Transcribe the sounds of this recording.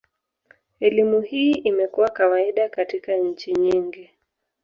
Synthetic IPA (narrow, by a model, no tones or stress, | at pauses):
ɛlimuhiːimɛkuwakawaiɗakatikaɲ̩t͡ʃiɲiŋɡi